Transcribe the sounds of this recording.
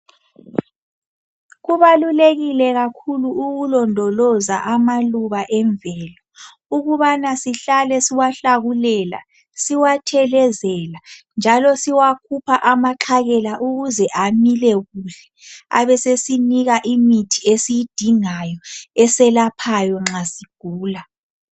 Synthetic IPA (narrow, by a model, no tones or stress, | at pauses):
ɣuβaluleɣilɛɣakʰuluːɣulɔndʱɔlɔza̰ʔamaluβaʔɛɱvɛːlɔ | uɣuβanasiɬalɛsiwaɬaɣulɛːla̰ | siwatʰɛlɛzɛland͡ʒʱalɔsiwakʰupʰaʔamaǁʰaɣɛlaʔuɣuzɛʔamilɛɣuɬɛ̥a̰βɛsesiniɣaʔimitʰiesijid̥ʱiŋajɔɛsɛlapʰajɔŋ͡ǁasiɡ̥ʱuːla